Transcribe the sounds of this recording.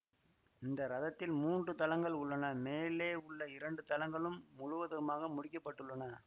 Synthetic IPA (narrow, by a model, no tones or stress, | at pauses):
ɪnd̪ɐɾɐðɐt̪ːɪlmuːndrɯt̪ɐlɐŋɡɐɭʊɭːɐnɐmeːleːʊɭːɐɪɾɐɳɖɯt̪ɐlɐŋɡɐɭɯmːʊɻʊʋɐðɯmaːɣɐmʊɽɪkːɐpːɐʈːɯɭːɐnɐ